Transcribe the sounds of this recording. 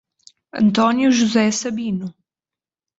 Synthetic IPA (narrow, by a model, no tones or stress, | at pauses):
ɐ̰nt̪ɔnjuʒuzɛsɐbinʊ